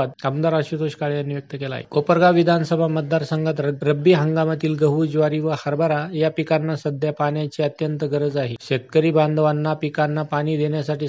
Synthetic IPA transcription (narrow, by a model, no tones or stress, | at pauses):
ad̪̚amd̪aɾaɕut̪oɕkaɭjanːiːʋjək̚t̪əkela̰ɦḛkopəɾɡaʋid̪ʱansəbʱamət̪̚d̪aɾsəŋɡʱət̪ɾəɾəbːiːɦəŋɡamat̪iːlɡəɦud͡ʑʋaɾiːʋəhəɾbəɾajapikanːasəd̪ʱjapaɳjat͡ɕeət̪jənt̪əɡəɾəd͡zaɦeɕet̪̚kəɾiːband̪ʱəʋanːapikanːapaɽ̃iːd̪eɳjasaʈiː